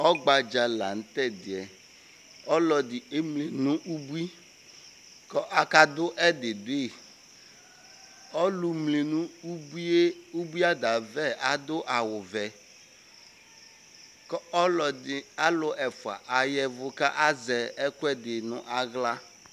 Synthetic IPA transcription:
ɔ˦ɡ͡ba˨d͡ʒa˨la˨n̩˦t̪ɛ˦d̪ɪ˨ɛ˨ | ɔ˦lɔ˨dɪ˨e˦mle˨nũ˦ʔu˦bu˦i˦ | kɔ˦ʔa˦ka˦d̪ʊ˦ʔɛ˦d̪ɪ˨dʊ˦e˦˨ | ɔ˦lu˨mle˨nũ˦u˦bi˦e˦u˦bi˦a˦d̪a˨vɛ˦a˦d̪ʊ˦ʔa˨wʊ˨vɛ˨ | kɔ˦ɔ˦lɔ˨dɪ˨a˦lʊ˨ʔɛ˨fʊ˨a̰˨ʔa˨jɛ˦vʊ˦ka˦ʔa˦zɛ˨ɛ˦kʊ˦ɛ˦d̪ɪ˨nʊ̰̃˦ʔa˦ɣla˦

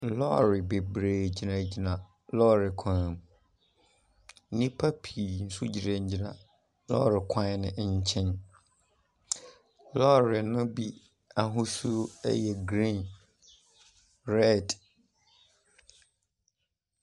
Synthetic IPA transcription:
lɔ˦ɾɪ˨be˨bɾeː˨d͡ʑi˨nã˨d͡ʑi˨nã˨ | lɔː˦ɾɪ˨kʷʰã˨m | nɪ̃˦pʰa˦pʰi˨n̩˦su˦d͡ʑi˨ɾã˨ɲ̩˦d͡ʑi˨nã̰˨ | lɔ̰˦˨ɾɪ˨kʰã˦nɪ̰̃˨ʔɲ̩˦t͡ɕʰɛ̃˦n | lɔ˦ɾɪ˨nʊ̃˦bi˦ | a˨ɦʊ̃˦su˦ɛ̰˦jɛ˨ɡɾĩ˦˨n | ɾɛ˦˨d

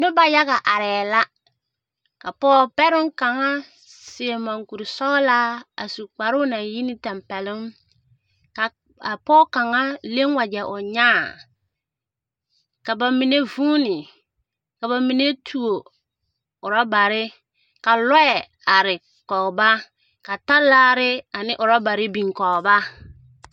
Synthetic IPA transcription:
nʊ˦ba˨ja˦ɣa˨ʔa˨ɾɛː˨la˦ | ka˨pɔː˦pɛ˦ɾʊ˦ŋka˨ŋa˦ | sɪ˨e˨ma˨ŋku˨ɾɪ˨sɔ˦la˦a̰˨su˨k͡pa˨ɾʊ˦na˨ji˦nɪ˦tɛ˨mpɛ˨lɪ˦ŋ | ka˨ | a˨pɔː˦ka˨ŋa˦le˦ŋwa˨d͡ʒɛ˨ʔʊ˨ɲaː˦˨ | ka˨ba˨mi˨ne˦vu˦nɪ˨ | ka˨βa˨mi˨ne˦tʰu˨o˨ | ʊ˨ɾa˦ba˨ɾɪ˦ | ka˨lɔ˦ɛ˨ | a˨ɾɪ˨ | kɔ˨ɣba˦ | ka˨ta˦laː˦ɾɪ˦a˨nɪ˦ʔʊ˨ɾa˦ba˨ɾɪ˦bĩ˨ŋkɔ˨ɣba˦

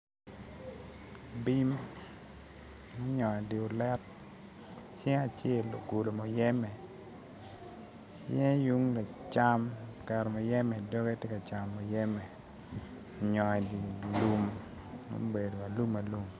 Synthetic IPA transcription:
bi˦m | mɔ˦ɲɔ˨ɛ˨di˨ʊ˨lɛ˦t̚ | t͡ʃe˦ŋa˨t͡ʃe˦˨lo˨ɡu˨lo˨mɔ˨jɛ˦mɛ˨ | t͡ʃe˦ŋ˦ju˦ŋla˨t͡ʃa˦mkɛ˨ɾɔ˨mɔ˨jɛ˦mɛ˨do˦ɡe˦tjɛ˦ka˨t͡ʃa˨mːɔ˨jɛ˦mɛ˨ | o˨ɲɔ˨ɛ˨di˨lu˦m | mo̰˦be˨do˨a˨lu˦ma˨lu˦m

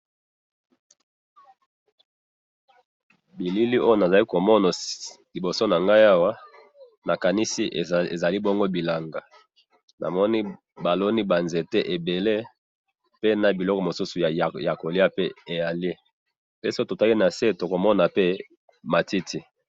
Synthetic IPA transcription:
bi˨li˦li˦ʔo˦jo˦na˨za˨li˦ko˨mɔ˦na˨li˨bo˨so˦na˨ŋɡa˦ja˦wa˦ | na˨ka˨ni˦si˦ʔe˨za˨li˦bɔ˦ŋɡo˦bi˨la˨ŋɡa˨ | nʔa̰˨mɔ˦ni˦ | ba˨lo˦ni˦ba˨nze˨te˦ʔe˨be˨le˦ | pe˦na˨bi˨lɔ˦kɔ˨mo˨su˦su˨a˨ja˨ko˨li˦a˦pe˦e˨ja˨li˦ | pe˦si˨˦o˦to˨ta˦li˦na˨se˦˨to˨ko˨mɔ˦na˨pe˦ | ma˨ti˦tʰi˦

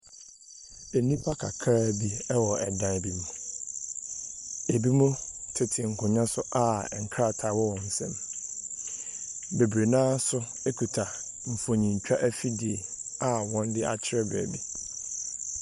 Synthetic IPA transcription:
e˨nĩ˦pʰa˦kʰa˨kʰɾa˦bi˦ɛ˦wɔ˨ɛ˨dã˨bi˦mũ˨ | e˨bi˦mũ˦tʰɪ˨tʰɪ˨ŋ̩˨kʰʊ̃˨ɲã˦sʊ˦ʔa˦˨ɛ˨ŋ̩˨kʰɾa˦˨tʰa˨wɔ˦wɔ̃˨n̩˨sɛ̰̃˦m | be˨bɾe˨nãː˦sʊ˦ | e˦kʰu˨tʰa˨ | m̩˨fo˨ɲĩ˨ɲ̩˨t͡ɕᶣa˦ʔæ˦fi˦dɪ˨e˨a˦˨wɔ̃˦n˦dɪ˦a̰˨t͡ɕʰɪ˦ɾɛ˦bɾɛ̰˨bi˦

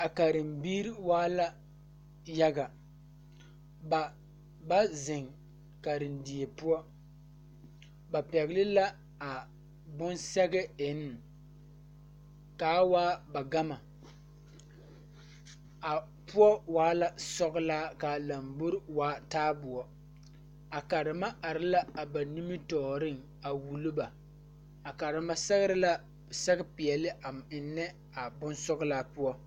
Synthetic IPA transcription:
a˨ka˨ɾɪ˨mbiː˦ɾi˦waː˦la˦ | ja˦ɡa˨ | ba˨ | ba˦zɪ˨ŋ | ka˨ɾɪ˨ndi˨e˨pu˦ɔ˦ | ba˨pɛ˨ɣlɪ˦la˦ | a˨ | bʊ˦nsɛ˦ɡɛ˦e˨n˦˨ | kaː˨˦waː˦ba˨ɡa˦ma˨ | a˨ | pʊ˦ɔ˦waː˦la˨sɔ˦ɡlaː˦ka˨la˨mbʊ˦ɾɪ˦waː˦taː˦bʊ˨ɔ˦ | a˨ka˨ɾɪ˨ma˦a˨ɾɪ˦la˦a˨ba˨ni˦mɪ˦tɔː˨ɾɪ˦ŋ | a˨wu˨lʊ˦ba˨ | a˨ka˨ɾɪ˨ma˦sɛ˦ɣɪ˦ɾɪ˦la˦ | sɛ˦ɡɪ˦pɪ˨ɛ˨lɪ˦ʔa˨mɪ˨nːɛ˦ | a˨bʊ˦nsɔ˦ɡlaː˦pʊ˦ɔ˦

